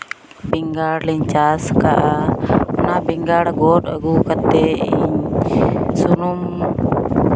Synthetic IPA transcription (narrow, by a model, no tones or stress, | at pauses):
biŋɡaɽliɲt͡ʃaskaʔa | nabiŋɡaɽaɡɔt̪a̰ɡukat̪ɛiɲ | sunum